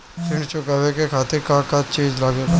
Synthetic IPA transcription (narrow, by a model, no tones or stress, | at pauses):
fʰɪɳt͡ʃʊkaːʋekekʰaːt̪ɪɾkãkat͡ʃẽːd͡ʒlaːɡeːɡa